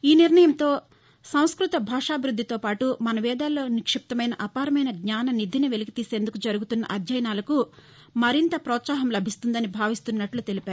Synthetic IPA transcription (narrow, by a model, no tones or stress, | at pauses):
iːniɾɳɐjɐmt̪o̞ː | sɐw̃skɾut̪ɐbʱaːʂaːbʱɾud̪ʱːit̪o̞ːpaːʈumɐnɐʋɛːd̪aːloːnikʂip̚t̪ɐmɐjnɐʔɐpaːɾɐmɐjnɐɡɲaːnɐnid̪ʱiniʋelikit̪iːse̞ːnd̪ukud͡ʒɐɾuɡut̪unːɐ̰ʔɐd̪jɐjɐnaːlɐku | mɐɾint̪ɐpɾɔːt̪saːɦɐmlɐbʱist̪und̪ɐnibʱaːʋist̪unːɐʈlut̪e̞lipaːɾu